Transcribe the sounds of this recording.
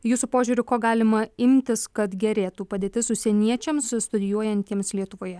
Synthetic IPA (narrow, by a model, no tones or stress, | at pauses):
juːsupoːʒʲuːɾʲʊkoːɡɑːlʲɪmɐɪmʲt̪ʲɪskɐt̪ɡʲɛɾʲeːt̪uːpɐd̪ʲeːt̪ʲɪsʊsʲɛnʲiɛt͡ʃʲɛmsst̪ʊd̪ʲɪjuɔjɛnʲt̪ʲiɛmslʲiɛt̪ʊʋoːjɛ